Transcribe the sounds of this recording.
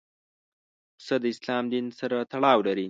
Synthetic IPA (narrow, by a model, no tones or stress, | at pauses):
səd̪əɪslɑmd̪insaɾat̪aɽɑwlaɾi